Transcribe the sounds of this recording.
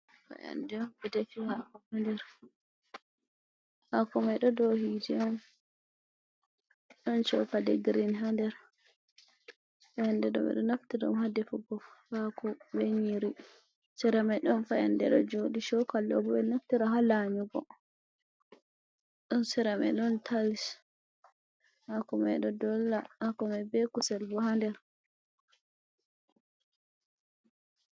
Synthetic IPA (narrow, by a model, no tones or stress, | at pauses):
fa̰ʔa̰ndɛɔmbɛdɛfihakɔmandɛɾ | hakɔmaɗɔdɔhidiɔm | ɗɔnt͡ʃɔ̰kadɛɡɾinɦandɛɾ | ɛandɛɗɔ̰bɛ̰ɗɔnaftiɾɔ̰mhadɛfɔɡɔfhakɔbɛɲiɾi | sɛɾamajɗɔnfaɛ̰ndɛɗɔ̰d͡ʒodiʃɔkalːɔ̰bɔbɛnaftiɾaɦalamiɡɔ̰ | ɗɔnsɛɾamɛ̰ɗɔntʰalis | hakɔmɛ̰ɗɔdɔlːaakɔmabɛkusɛlbɔhandɛɾ